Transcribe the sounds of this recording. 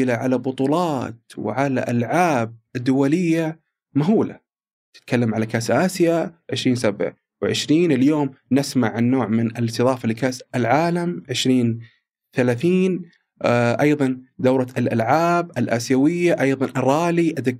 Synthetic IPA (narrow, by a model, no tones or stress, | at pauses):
ɪlaʕalabʊt̪ˤuːlɑːt̪w̰ʕala̰ʔalʕaːb̚ɪd̪ːʊwalɪjːa | maɦuːla̰ | t̪ɪ̥t̪̚kʰalːamʕalakaːsʔaːsjaʕɪʃɾiːnsabʕ | wʕɪ̰ʃɾiːnɪljoːmnɪsmaʕɪnːoːʕmɪnɪlɪst̪ɨðˤɑːfalikaːsɪlʕaːlamʕɪʃɾiːn | θalaːθiːn | ʔɑjðˤɑnd̪awɾˤɑɪlʔa̰lʕaːb̚ɪlʔa̰ːsjawɪjːaʔɑjðˤɑnʔɑrˤːɑːliʔaðɪk